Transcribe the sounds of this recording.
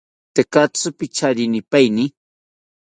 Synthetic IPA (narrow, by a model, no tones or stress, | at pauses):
t̪ekat͡sʊpɪt͡ʃaɾinɪpajnɪ